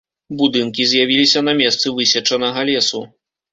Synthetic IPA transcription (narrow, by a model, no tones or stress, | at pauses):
bud̪ɨnkʲizʲjavʲilʲisʲɐnɐmʲɛst̪sɨvɨsʲɛt͡ʂɐnɐɣɐlʲɛsu